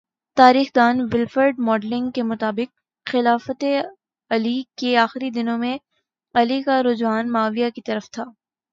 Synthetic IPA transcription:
t̪aːɾiːxd̪aːnʋɪlfəɾɖmɔːɖlɪ̃ŋɡkemʊt̪aːbɪq̚ | xɪlaːfət̪e | ɐlikeaːxɪɾid̪ɪnõmẽ | ɐlikaɾʊd͡ʒwaːnmaːʋijakit̪ɐɾəft̪ʰaː

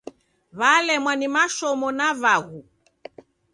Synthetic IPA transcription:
βalɛmwanimaʃɔmɔnaβaɣu

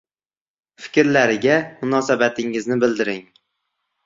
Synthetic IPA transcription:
fɪ̥kʲɾlaɾɪɡʲamʊnɒsabat̪ʰɪŋɪznɪbɪld̪ɪɾɪŋ

